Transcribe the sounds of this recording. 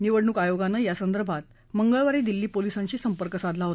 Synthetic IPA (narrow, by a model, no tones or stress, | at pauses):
niʋəɽɳukajoɡanːajasənd̪əɾbʱat̪ | məŋɡəɭʋaɾiːd̪ilːiːpolisãɲt͡ɕiːsəmpəɾkəsad̪ʱlaɦot̪a